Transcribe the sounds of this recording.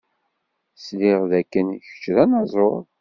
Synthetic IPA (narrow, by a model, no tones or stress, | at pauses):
slɪʁðækːənçə̥t͡ʃːɾænɑzˤoɾˤ